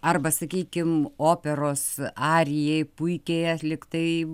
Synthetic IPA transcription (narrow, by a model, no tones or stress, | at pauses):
ɐrbɐsɐkʲiːkʲɪmoːpʲɛɾoːsɑːɾʲɪjɛɪpʊɪkʲeːjɛlʲɪkt̪ɐɪ